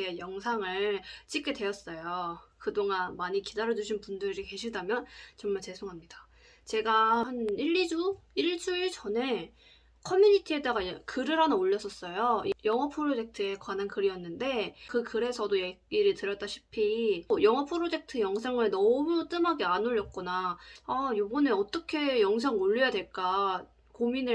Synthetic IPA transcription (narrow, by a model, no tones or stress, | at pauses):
ejʌŋsʰaŋɯɭt͡ɕ͈ik͈ʰedwe̞jʌs͈ʌjokɯdoŋanmaɲikidaɾjʌd͡ʑuɕʰinpundɯɾɾike̞ɕʰidamjʌnt͡ɕʌŋmaɭt͡ɕe̞sʰoŋɦamɲida | t͡ɕe̞ɡahaniʎːid͡ʑuiɭt͡ɕ͈uiɭt͡ɕʌne̞ | kʰʌmjuɲitʰie̞daɡakɯɾɯɾanɯnoʎːʌs͈ʌs͈ʌjoijʌŋɦʌpʰɯɾod͡ʑe̞k̚tʰɯe̞kwanaŋkɯɾijʌnːɯnde̞kɯkɯɾe̞sʰʌdojeɡiɾɯtɯɾjʌt͈aɕʰipʰijʌŋɦʌpʰɯɾod͡ʑe̞k̚tʰɯjʌŋs̬ʰaŋɯɭnʌmut͈ɯmɦaɡeanoʎːʌk̚k͈ʌnaʌjobʌneʌt͈ʌkʰe̞jʌŋs̬ʰaŋoʎːʌjadwe̞ɭk͈a | kominɯ